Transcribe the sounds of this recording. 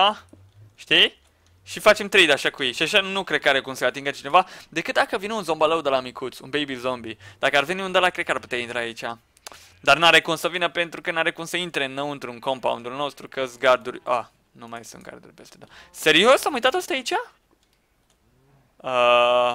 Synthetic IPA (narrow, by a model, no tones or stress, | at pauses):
a | ʃt̪i | ʃifat͡ʃe̞mt̪ɾejd̪aʃakujejʃiaʃanukɾed̪̚kaɾekumsəat̪iŋɡət͡ʃine̞vad̪e̞kɨt̪̚d̪akəvineunzo̞mbaləwd̪elamikʰut̪sṵnbejbilzo̞mbid̪̥akəarve̞niund̪alakɾe̞d̪karput̪eaint̪ɾaːit͡ʃʲa | d̪arnaɾekumsəvinəpe̞nt̪ɾukənaɾekumsəint̪ɾeɨnːəwɨnt̪ɾuɨnkompa̰ṵnd̪ulno̞st̪ɾukəsɡard̪uɾʲa | numajsṵnt̪̚ɡa̰rd̪ṵɾʲpe̞st̪ed̪ase̞ɾio̞samujt̪at̪ost̪aait͡ʃʲa | ə